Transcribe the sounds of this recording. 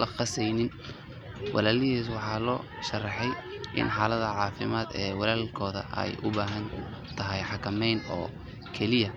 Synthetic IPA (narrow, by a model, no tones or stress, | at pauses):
lɐqɑsɛjnɪn | wʔɑ̰laːlɪhiːswɑħɑːlɔ̰ː | ʃɐrːɑħɛjʔɪ̰nħɑːlɐðɐʕɑːfɪmaːd̪ɛːwɑlaːlkʰɔːðɐ̰ʔɛ̰jʔʊ̰baːɦɐn | t̪ʰɐɦɛjħɑkʰɐmɛjnɔ̰ː | kʰɛlɪjɐ